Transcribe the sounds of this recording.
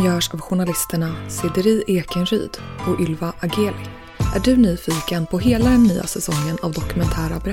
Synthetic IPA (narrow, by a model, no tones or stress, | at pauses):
jœːʂavɧʊɳalɪst̪əɳasɪd̪əɾiːʔeːkənɾy̰ːd̪̥ɔɵlvaʔaɡeːlɪ | ʔæɖɵnyːfiːkənpʰɔɦeːlad̪ɛnːyːa̰sɛsɔŋːənavd̪ɔkɵmɛnt̪ʰæːɾabɾ